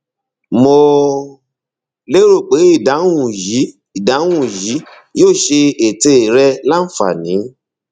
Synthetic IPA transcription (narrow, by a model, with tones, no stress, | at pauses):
mo˧ | le˦ɾo˦˨k͡pe˨˦i˦˨da˨˦wũ˨ji˨˦ | i˨da˨˦w̃ũ˨ji˨˦ | joː˦˨ʃe˧e˨te˧i˨ɾɛ˧la˦˨fa̰˨nĩ˨˦